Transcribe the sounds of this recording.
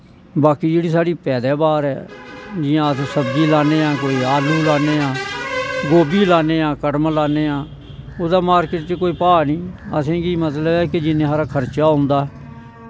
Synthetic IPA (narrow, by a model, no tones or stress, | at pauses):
baːkiːd͡ʒeːɽiːsaːɽiːpɛːd̪ɛːbaːɾɛ̰ːd͡ʒɪjãːəsːsəbdiːlaːneːãːkoːiːaːluːlaːneːãːɡoːbiːlaːneːãːkəʈmlaːneːãː | oːd̪aːmaːɾkɪʈt͡ʃekoːiːpaːnĩːə̰sẽːɡiːmət̪ləbɛːked͡ʒɪnẽːɦaːɾaːkʰəɾt͡ʃaːɦʊ̃nd̪aːɦɛː